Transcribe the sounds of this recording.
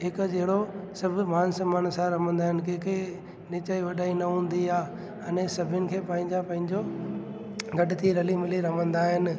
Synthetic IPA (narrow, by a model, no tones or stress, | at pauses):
ɦɪkd͡ʑɐɦɪɽosɐbʱʊ̆maːnsəmaːnsãɾɐmə̃nd̪aːɦɪnɪ̆kẽːkʰe | nɪt͡ɕaːiʋɐɗaːinɐɦũːn̆d̪iaː | ɐnẽsɐbʱʊnɪ̆kʰeːpɐ̃ɦɪ̃ɲd͡ʑapɐ̃ɦɪ̃ɲd͡ʑo | ɡɐɖɪt̪ʰiɾɐlimɪliɾɐmə̃nd̪aːɦɪnɪ̆